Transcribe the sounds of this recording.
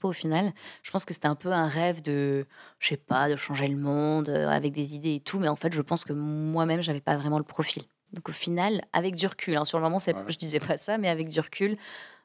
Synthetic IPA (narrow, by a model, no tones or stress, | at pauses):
ofinalʒ̥ə̥pɑ̃skəse̥t̪ɛɛ̃pøɛ̃ʁɛvd̪əʃɛpad̪əʃɑ̃ʒeləmɔ̃d̪øa̰vɛk̚d̪ezid̪eːt̪ʰumɛɑ̃fɛt̪ʒəpɑ̃skəmwamɛmʒavɛpavʁɛmɑ̃ləpχɔfil | d̪ɔ̃kofinala̰vɛk̚d̪yʁkʲʰylɛ̃syʁləmɔmɑ̃sɛʒəd̪izɛpasamɛavɛk̚d̪yʁkʲʰyl